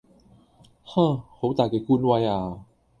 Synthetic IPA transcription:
hã˧˩xʰo˨˦˥t̪a˨˩ka˨˩kʰu˧˨nwa˧ja˨˩

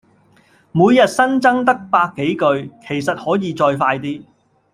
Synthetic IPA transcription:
muː˨˧jjɐ˨t̚sɐ˥nt͡sɐ˥ŋt̪ɐ˥k̚paː˧kːe˨˥jkɵ˧ɥkʰe˨˩jsɐ˨t̚hɔː˨˥jiː˨˧t͡ʃɔː˧jfaː˧jt̪iː˥

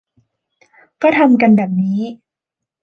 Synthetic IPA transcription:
pɾa˧˥t̪ʰa˧mka˧nbɛː˨˩p̚niː˦˥

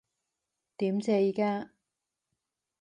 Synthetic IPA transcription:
t̪iː˨˥mt͡sɛː˧jiː˨˧kaː˥

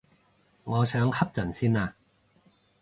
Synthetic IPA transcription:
ŋɔː˨˧sœː˨˧˥ŋhɐ˥p̚t͡sɐ˨˩nsiː˥naː˧

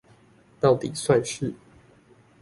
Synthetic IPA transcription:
t̪ɑ˥˨ʊt̪ḭ˨˩swa˥˧nʂɻ̩˥˨

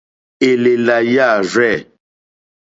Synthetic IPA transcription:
e˨le˨la˨ja˦˨ɾɛ˦˨

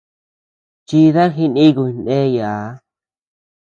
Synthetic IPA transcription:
t͡ʃi˧ða˦ɦi˧nĩ˦ɣu˧˨˧nẽ˦jaː˨˦

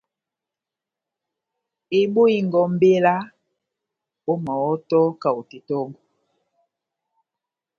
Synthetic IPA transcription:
e˨ɓo˦i˨ŋɡɔ˨m̩˦be˦la˦ | o˦ma˨wɔ˦tɔ˦ka˨o˨te˨tɔ˦ŋɡɔ˨

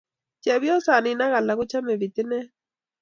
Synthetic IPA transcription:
t͡ʃɛ˨βjɔ˦sa˨nɪ˨na˦ɣa˨la˨ɣʊ˦t͡ʃa˦mɛ˨βi˨t̪ɪ˦nɛ˦

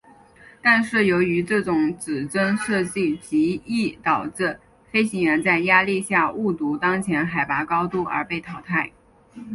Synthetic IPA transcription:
t̪a˥˧nʂɻ̩˥˩jo˧˥ʊy˧˥ʈ͡ʂɤ˥˩ʈ͡ʂʊ˨˩˥ŋt͡sɹɻ̩˨˩ʈ͡ʂə˥nʂɤ˥˧t͡ɕi˥˩t͡ɕi˧˥i˥˩t̪ɑ˨˩ʊʈ͡ʂ̩˥˩ | fe˥ɪɕi˧˥ŋjɛ˧˥nt͡sa˥˩ɪja˥li˥˧ɕja˥˧u˥˩t̪u˧˥t̪ɑ˥ŋt͡ɕʰjɛ˧˥nxa˨˩ɪpa˧˥kɑ˥ʊt̪u˥˩ə̰˞˧˥pe˥˩ɪt̪ʰɑ˧˥ʊt̪ʰa˥˩ɪ

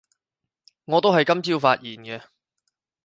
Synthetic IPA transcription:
ŋɔː˨˧t̪o˥wɦɐ˨jkɐ˥mt͡siː˥wfaː˧t̚jiː˨˩nɡɛ˧

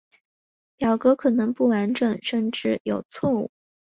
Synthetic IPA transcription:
pjɑ˨˩ʊkɤ˧˥kʰɤ˨˩nɤ˧˥ŋpu˥˩wa˧˥nʈ͡ʂə˨˩˦ŋʂə˥˧nʈ͡ʂɻ̩˥˩jo˨˩ʊt͡sʰwɔ˥˧ṵ˥˩

